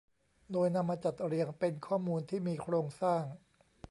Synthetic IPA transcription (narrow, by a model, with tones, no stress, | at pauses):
doː˧jna˧mːaː˧t͡ɕa˨˩t̪̚ɾi˧əŋpe˧nkʰɔː˥˩muː˧nt̪ʰiː˥˩miː˧kʰɾoː˧ŋsaː˥˩ŋ